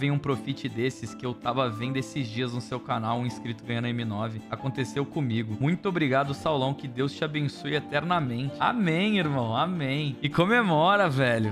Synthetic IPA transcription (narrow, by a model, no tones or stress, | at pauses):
vẽj̃ũpɾofit͡ʃɪd̪esɪskɪewt̪avɐvẽnd̪ʊesɪzd͡ʒiɐznʊsewkanawũĩskɾit̪ʊɡɐ̃j̃ɐ̃nɐeminɔvɪakõnt̪esewkõmiɡʊmũj̃t̪ʊobɾiɡad̪ʊsawlɐ̃w̃kɪd̪ewst͡ʃɪabẽsujet̪ɛɾnɐmẽnt͡ʃɪa̰mẽj̃iɾmɐ̃w̃amẽj̃ɪkomemɔɾɐvɛʎʊ